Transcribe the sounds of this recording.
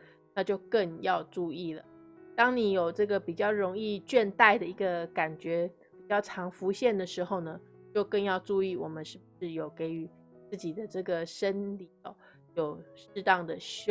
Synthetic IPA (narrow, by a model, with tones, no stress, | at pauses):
na˥˧t͡ɕjo˥˧ʊkə˥˧ŋjɑ˥˧ʊʈ͡ʂu˥˧i˥˩lə̰˩t̪ɑ˥ŋni˨˥jo˨˩ʊʈ͡ʂɤ˥˩ɡə˩pi˨˩t͡ɕjɑ˥˩ʊɻʊ˧˥ŋi˥˧t͡ɕɥɛ˥˧nt̪a˥˩ɪd̪ə˩i˧˥ɡə˧ka˨˩nt͡ɕɥɛ˧˥ | pi˨˩t͡ɕjɑ˥˩ʊʈ͡ʂʰɑ˧˥ŋfu˧˥ɕjɛ˥˩nd̪ə˩ʂɻ̩˧˥xo˥˩ʊnə˩t͡ɕjo˥˧ʊkə˥˧ŋjɑ˥˧ʊʈ͡ʂu˥˧i˥˩wɔ˨˩mə˦nʂɻ̩˥˩b̚u˨˩ʂɻ̩˥˩jo˨˩ʊke˧˥ɪy˨˩ | t͡s̩˥˩t͡ɕi˨˩d̪ə˦ʈ͡ʂɤ˥˩ɡə˩ʂə˦nli˨˩ɔ˥˩ | jo˨˩ʊʂ̩˥˧t̪ɑ˥˩ŋd̪ə˩ɕ